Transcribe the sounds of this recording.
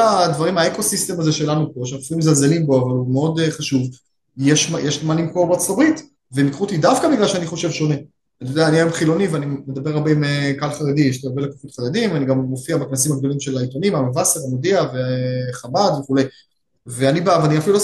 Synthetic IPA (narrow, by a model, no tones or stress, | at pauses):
ad̪vaʁimaeko̞sist̪emazeʃe̞lanupo̞ʃeafilumezalzelimbo̞avalumeo̞d̪eχaʃuv | jeʃmjeʃmanimko̞ʁbeʁt͡sotabʁit̪ | vemikʁut̪idafkabiɡlalʃeaniχo̞ʃevʃo̞ne̞ | anit̪odeaniajomχilo̞niveanimed̪abeʁabeimekalχaʁed̪ieʃtiaʁbelekafut̪χaʁed̪imveaniɡamːofiabeknasimhaɡd̪o̞limʃe̞lailt̪o̞nimamavaseʁamod̪iaveχamad̪veχule̞j | veanibavaniafilulo